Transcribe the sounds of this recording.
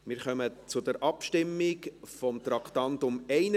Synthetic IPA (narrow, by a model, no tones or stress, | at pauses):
mɪɾχœmət͡sʊdɛɾʔɑpʃtɪmːɪkfɔmt̪ɾɑkt̪ɑntʊmɛɪnə